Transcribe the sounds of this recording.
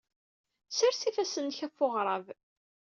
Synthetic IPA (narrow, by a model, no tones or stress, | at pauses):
sæɾsifæsənçæfoʁɾˤɑv